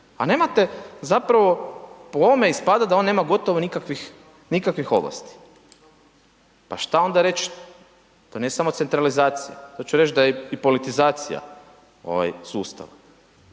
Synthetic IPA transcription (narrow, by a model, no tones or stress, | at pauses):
a̰ne̞ːmat̪e̞zapɾaʋo̞pooome̞ispad̪ad̪ao̞nːe̞ːmaɡo̞t̪oʋonikakʋix | nikakʋixo̞ʋla̰st̪i̥ | paʃt̪ao̞nd̪aɾe̞t͡ʃ | t̪o̞nijesamose̞nt̪ɾalizaːt̪sija̰t̪ot͡ʃuɾet͡ʃd̪ajeipo̞lit̪izaːt̪sḭja̰ | o̞̰ʋa̰jsuːst̪a̰ʋa